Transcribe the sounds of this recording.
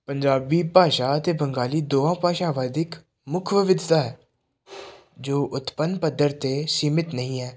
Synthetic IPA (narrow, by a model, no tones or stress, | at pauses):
pəɲd͡ʒaːbiːpaːʃaːət̪eːbəŋɡaːliːd̪oːãːpaːʃaːʋaːd̪ɪk | mʊkʰʋɪʋɪd̪t̪aːɦɛː | d͡ʒoːʔʊt̪pənpəd̪əɾt̪eːsiːmɪt̪nəɦĩːɦɛː